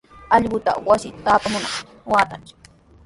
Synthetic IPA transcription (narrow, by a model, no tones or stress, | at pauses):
ɑʎɢʊt̪a̰wasɪt̪aːpamʊna̰ | waːt̪ant͡ʃɪ̥